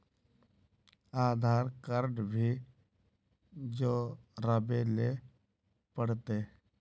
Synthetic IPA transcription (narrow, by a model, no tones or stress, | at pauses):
aːd̪ʱaːɾkəɾɖbʱiː | d͡ʒoːɾəbeleː | pəɽt̪eː